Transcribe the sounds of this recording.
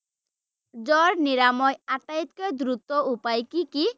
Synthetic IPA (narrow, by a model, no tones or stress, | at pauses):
d͡ʑɔɾniɾamɔjat̪ːait̪koed̪ɾut̪ːoupajkiki